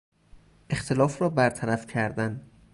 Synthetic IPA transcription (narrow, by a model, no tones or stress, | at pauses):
ʔe̞xt̪ʰe̞lɒːfrɒːbæɾt̪ʰæɾæfcʰæɾd̪æn